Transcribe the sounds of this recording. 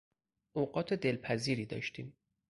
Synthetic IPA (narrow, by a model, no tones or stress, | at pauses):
ʔoːɢɒːt̪ʰed̪e̞lpʰæziːɾiːd̪ɒ̰ːʃt̪ʰiːm